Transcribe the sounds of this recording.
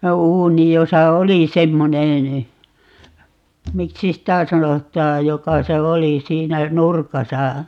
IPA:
uːni josɑ oli semːonen miksi sitæˑ sɑnotˑɑːj jokɑ se oli siːnæ nurkɑsɑ

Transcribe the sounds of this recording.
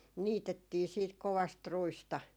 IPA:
niːtetːiː siːt koʋɑst ruistɑ

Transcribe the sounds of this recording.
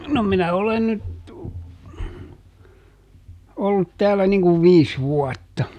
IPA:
no minæ olen nyt olːut tæːlːæ niŋ kuʋ ʋiːs ʋuɔtːɑ

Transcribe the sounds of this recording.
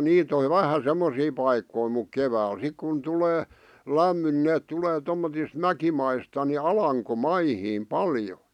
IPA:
niːt oʋ̆ ʋæhæ semːosiː pɑikːoi muk keʋæːl sik kun tuleː læmːyn n̆ĭ neːt tuleː tomːotis mækimɑistɑ ni ɑlɑŋkomɑihiːm pɑljo

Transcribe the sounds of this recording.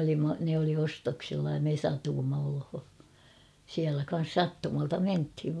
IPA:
olimːɑ ne oli ostoksilːɑ jɑ me sɑtuːmːɑ olho siælæ kɑn̞s sɑtːumɑltɑ menthiʋ

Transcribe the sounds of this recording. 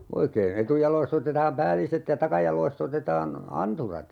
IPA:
oikeːn etujɑloist otetɑːm pæːliset jɑ tɑkɑjɑlˑoist otetɑːn ɑnturɑt

